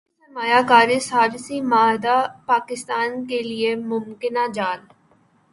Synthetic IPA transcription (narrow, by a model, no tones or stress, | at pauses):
sɐmaːjakaːɾisaːɾsimaːɦd̪apaːkɪst̪aːnkeliemʊmkɪnad͡ʒaːl